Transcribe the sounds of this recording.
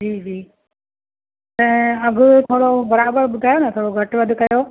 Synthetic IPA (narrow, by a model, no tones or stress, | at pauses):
d͡ʑiːd͡ʑiː | t̪ɐ̃ɐɡʊt̪ʰoːɽobɐɾaːbəɾbʊd̪ʱaːjonɐt̪ʰoːɽoɡʱɐʈʋɐd̪ʱʊkɐjoː